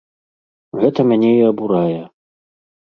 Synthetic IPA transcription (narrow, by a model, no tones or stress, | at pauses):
ɣɛt̪ɐmʲanʲɛiɐbuɾajɛ